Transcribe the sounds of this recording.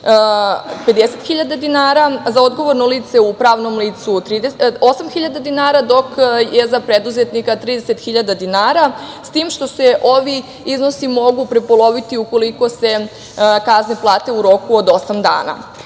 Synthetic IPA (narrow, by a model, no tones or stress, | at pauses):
pe̞d̪eset̪xiʎad̪ad̪inaːɾazao̞d̪ɡo̞ʋo̞ɾnoliːt̪se̞upɾaːʋno̞mliːt̪sut̪ɾid̪eo̞samxiʎad̪ad̪inaːɾad̪o̞kjezapɾed̪uzet̪nikat̪ɾiːd̪eset̪xiʎad̪ad̪inaːɾast̪iːmʃt̪o̞se̞ʔo̞ʋi | izno̞simo̞ɡupɾepolˠo̞ʋit̪iuko̞liko̞se̞ | kazneplˠaːt̪e̞uɾo̞kuod̪o̞samd̪a̰ːna̰